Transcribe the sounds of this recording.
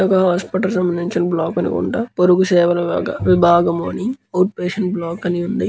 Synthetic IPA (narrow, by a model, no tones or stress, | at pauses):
ɐkɐɦaːspiʈɐlsɐmbɐnːiɲt͡ʃɐnblaːkɐnḭkṵɳʈɐpoɾuɡusɛːʋɐlɐɐʋibʱaːɡɐmoːniŋɐwʈ̚peːʃɐɳʈblaːkɐniund̪i